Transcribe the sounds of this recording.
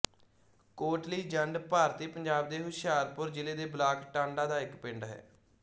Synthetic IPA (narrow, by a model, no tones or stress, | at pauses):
koːʈliːd͡ʒəɳɖpaːɾt̪iːpəɲd͡ʒaːb̚d̪eːɦʊʃjaːɾpʊɾd͡ʒɪleːd̪eːblaːkʈãːɳɖãːd̪aːɪkpɪɳɖɦɛ̰ː